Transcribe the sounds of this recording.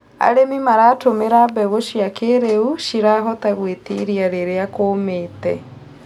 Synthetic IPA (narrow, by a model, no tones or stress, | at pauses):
a̰ɾemimaɾaːtomeɾabɛɣoʃiakeɾeuʃiɾaɦɔtaɣwetiɾiaɾeɾeakomeːtɛ̰